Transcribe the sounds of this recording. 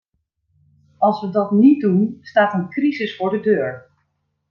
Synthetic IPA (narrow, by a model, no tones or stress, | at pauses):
ɑlˠsʋədɑtnidunstaːtənkrizəsfʊːɹdədøːɹ